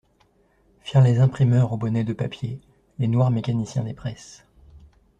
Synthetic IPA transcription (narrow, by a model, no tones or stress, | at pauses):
fiʁlezɛ̃pχimœʁobɔnɛd̪əpapje | lenwaʁmekanisjɛ̰̃d̪epχɛs